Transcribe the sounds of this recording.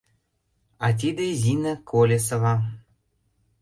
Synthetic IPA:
ɑt̪̬ʲid̪ĕzinə̆kʰolʲesɤ̆vɑ

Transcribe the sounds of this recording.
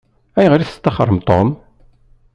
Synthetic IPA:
æjʁɾiθə̥t̪ːɑχə̰ɾˤːəmt̪ˤom

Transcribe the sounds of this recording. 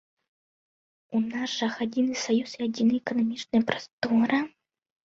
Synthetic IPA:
unazʐɐxad͡zʲinɨsajusiad͡zʲinɨɛkɐnamʲit͡ʂnɐjɐpɾḁst̪ɔɾɐ

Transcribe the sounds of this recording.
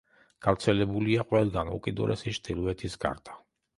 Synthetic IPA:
ɡ̥avt̪sʰɛlɛbuliaqʼwɛlˠɡanṵkʼid̪ṵɾʔɛsiʃt̪ʼilˠuɛt̪ʰisɡa̰ɾd̪̥a

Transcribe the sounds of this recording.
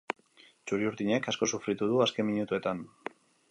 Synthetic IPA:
t͡ʃuɾiuɾðiɲe̞kasko̞sufɾit̪uð̞uaske̞miɲut̪ue̞t̪an

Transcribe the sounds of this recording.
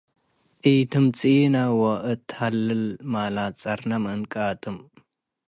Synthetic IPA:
ʔiːt̪ʰɨmt͡sʼiːnɐwɔʔɨt̪ʰhɐlːɨlmaːlaːt͡sʼɐɾnɐmɨnkʼaːt̪ʼɨm

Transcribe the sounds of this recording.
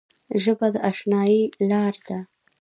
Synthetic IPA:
ʒəbad̪əʔaʂnɑjilɑɾd̪a

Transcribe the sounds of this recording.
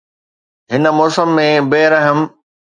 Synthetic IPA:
ɦɪnəmɔːsəmːẽbeːɾɐɦəm

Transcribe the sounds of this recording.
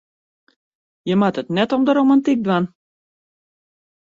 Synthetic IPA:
jəmatətnɛtɔmdəɾomantik̚dwan

